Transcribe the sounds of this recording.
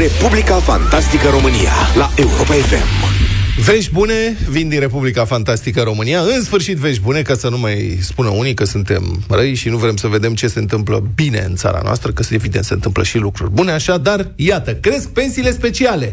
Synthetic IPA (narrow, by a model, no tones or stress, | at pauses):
ɾe̞publikafant̪ast̪ikəɾo̞mɨnḭja̰laʔe̞uɾopaefḛmve̞ʃʲbune̞vind̪inre̞publikafant̪ast̪ikəɾo̞mɨnijaɨnsfɨrʃit̪ve̞ʃʲbune̞kasənumajspunəunikəsunt̪e̞̰mrəjʃinuvɾe̞msəve̞d̪e̞mt͡ʃe̞se̞ɨnt̪ɨmplə̰bine̞̰ɨnt̪sa̰ɾa̰noa̰st̪ɾəkəsevid̪ensent̪ɨmpləʃilukɾurʲbune̞aʃad̪arjat̪əkɾe̞sk̚pe̞nsiːle̞spe̞t͡ʃiale̞